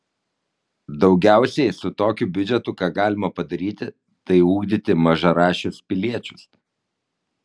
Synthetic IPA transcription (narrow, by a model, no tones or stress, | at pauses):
d̪ɒʊɡʲæˑʊsʲɛɪsʊt̪oːkʲubʲʊd͡ʒʲɛt̪ʊkɑːɡɑːlʲɪmɐpɐd̪ɐɾʲiːt̪ʲɪ | t̪ɐɪuːɡd̪ʲɪt̪ʲɪmɐʒɐɾɑːʃʲʊspʲɪlʲiɛt͡ʃʲʊs